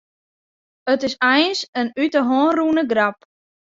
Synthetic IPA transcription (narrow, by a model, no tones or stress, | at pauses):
ətɪsɛjnsənytəɦoːnrunəɡrap